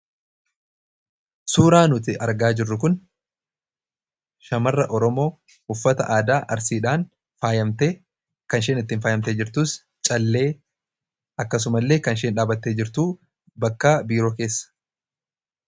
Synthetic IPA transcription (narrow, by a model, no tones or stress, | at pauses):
suːɾaːnʊt̪ɪʔɐɾɡaːd͡ʒɪrːʊkʊn | ʃɐmɐrːɐʔɔɾɔmo̞ː | ʊfːɐt̪ɐ̰ʔaːd̪aːʔɐɾsiːᶑaːn | faːjɐmt̪eː | kɐnʃeːnɪt̪ːiːnfaːjɐmt̪e̞ːd͡ʒɪɾt̪uːs | t͡ʃʼɐlːe̞ː | ɐkːɐs̬ʊmɐlːe̞ːkɐnʃ̬eːnᶑaːbɐt̪ːeːd͡ʒɪɾt̪uː | bɐkːaːbiːɾo̞ːke̞ːsːɐ̥